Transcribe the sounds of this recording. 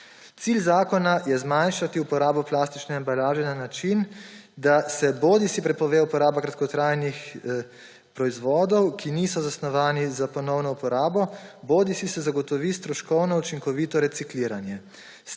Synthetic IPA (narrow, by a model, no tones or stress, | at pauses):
t̪siːlzaːkɔnajɛzmanʃat̪iupɔɾaːbɔplaːst̪it͡ʃnɛambalaːʒɛnanat͡ʃin | d̪asɛboːd̪isipɾɛpɔʋeːupɔɾaːbakɾat̪kɔt̪ɾajnix | pɾɔizʋɔːd̪ɔwkʰiniːsɔzasnɔʋaːnizapɔnɔwnɔupɔɾaːbɔboːd̪isisɛzaɡɔt̪ɔʋiːst̪ɾɔʃkɔwnɔut͡ʃiŋkɔʋiːt̪ɔɾɛt̪sikliːɾanjɛ